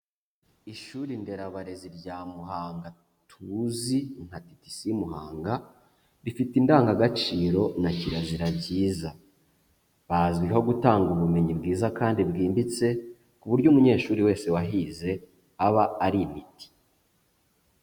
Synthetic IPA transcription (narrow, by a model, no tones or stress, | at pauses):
iʃuːɾinde̞ɾaβaɾe̞ziɾɟaːmuɦaːŋɡa | tʰuziŋ̥hati̥ti̥simuha̰ːŋɡa | ɾifitindaːŋɡaɡat͡ʃiːɾo̞naciɾaziɾabɟiːza | βazɡwiɦo̞ɡutaːŋɡuβume̞ɲibɡiːzakaːndibɡiːmbit͡se̞ | kuβuɾɟomuɲe̞ːʃuːɾiwe̞ːse̞waɦize̞ | aβaːɾimiti̥